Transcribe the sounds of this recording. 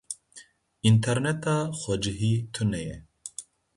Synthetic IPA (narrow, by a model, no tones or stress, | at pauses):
int̪ʰɛɾnɛt̪ɑːxʷɔd͡ʒɨɦiːt̪ʰɨnɛjɛ